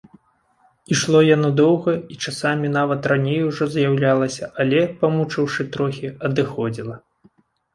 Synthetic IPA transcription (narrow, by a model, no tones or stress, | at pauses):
iʂlˠɔjanɔd̪ɔwɣɐit͡ʂasamʲinavɐt̪ranʲejuʐɔzjawlʲalˠɐsʲɐʔalʲɛpɐmut͡ʂɨwʂɨt̪ɾɔxʲiɐd̪ɨxɔd͡zʲilˠɐ